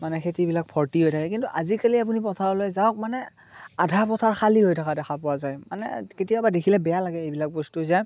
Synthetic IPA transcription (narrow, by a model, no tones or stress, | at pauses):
manɛxʰetibilak̚pʰɔɹtiɦojtʰakɛkintuʔazikaliap̬unip̬ɔtʰaɹɔlojzaɔk̚manɛ | adʱapɔtʰaɹxʰaliɦojtʰakadɛxʰapɔwazajmanɛ̰ketijabadekʰilɛbɛjalaɡɛejbilak̚bɔstuzɛ